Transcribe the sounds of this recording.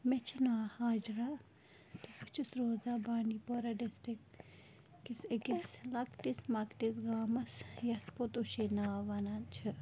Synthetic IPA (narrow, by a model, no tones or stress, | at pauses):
met͡ʃʰinaːhaːd͡ʒɾa | t̪ufut͡ʃʰisɾoːzabaːnipoɾɐɖesʈikː | isekislɐkʈismɐkʈisɡaːmɐsjɐspot̪uʃenaːʋɐnat͡ʃʰɐ